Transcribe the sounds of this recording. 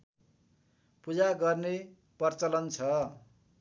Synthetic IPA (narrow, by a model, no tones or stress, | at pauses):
pud͡zaɡʌrne | pʌrt͡sʌlʌnt͡sʰʌ